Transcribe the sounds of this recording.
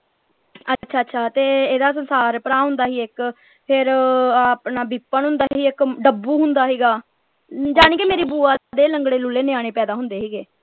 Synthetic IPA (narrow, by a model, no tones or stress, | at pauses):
ətːʃʰaːətːʃʰaːt̪eːeːd̪aːs̬ənsaːɾpəɽaːɦʊ̃nd̪aːɦiːɪk | pʰɪɾapɳaːbiːpːəɳɦʊ̃nd̪aːɦɦiːɪkɖəbːuːɦʊnd̪aːɦiːɡaː | d͡ʒaːɽ̃ĩːkemeːɾiːbuːaːd̪eːləŋɡɽeːlʊlːeːnɪjãːɽ̃eːpɛːd̪aːɦʊnd̪eːɦiːɡeː